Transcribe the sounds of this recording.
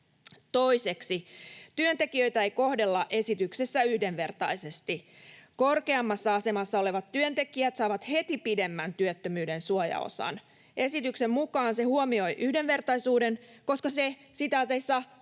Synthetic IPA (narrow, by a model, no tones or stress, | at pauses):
t̪o̞ise̞ksit̪yønt̪e̞kiø̞jt̪æejko̞hde̞lːɑʔe̞sit̪yksesːæyhdenʋe̞rt̪ɑjse̞st̪i | ko̞rke̞ɑmːɑsːɑɑse̞mɑsːɑo̞le̞ʋɑt̪ːyønt̪e̞kiæt̪sɑːʋɑt̪he̞t̪ipide̞mːænt̪yøt̪ːømyːdensuojɑ̰o̰sɑ̰n | ʔe̞sit̪yksemmukɑːnse̞huomio̞jʔyhde̞nʋe̞rt̪ɑjsuːde̞n | ko̞skɑse | sit̪æseisːɑ